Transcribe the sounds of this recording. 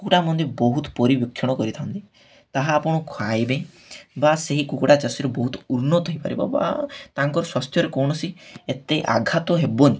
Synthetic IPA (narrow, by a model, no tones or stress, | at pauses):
kukʈamɔnd̪ʱjebɔɦut̪ɔ̥pɔɾibjɔkʰːjɔɽ̃ɔkɔɾit̪ʰant̪i | t̪aɦaːpɔɽ̃ɔkʰwajbe | baseɦikukɽat͡ʃasiɾebɔɦut̪ɔ̥uɾnɔt̪ɔɦijpa̰ɾḭbɔ̰ba̰t̪aŋkɔɾɔswast̪ʰjɔɾekɔwɳ̃ɔsiet̪eʔa̰ɡʱat̪ɔɦebɔni